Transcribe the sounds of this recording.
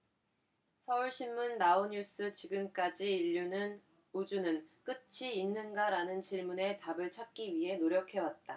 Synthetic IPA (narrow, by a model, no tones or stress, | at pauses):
sʰʌuɭɕʰinmunːaoɲus͈ɯt͡ɕiɡɯmk͈ad͡ʑiiʎːunɯn | ud͡ʑunɯnk͈ɯt͡ɕʰiːnːɯnɡaɾanɯnt͡ɕiɭmune̞tabɯɭt͡ɕʰak̚k͈iɥiɦe̞noɾjʌkʰe̞wat̚t͈a̰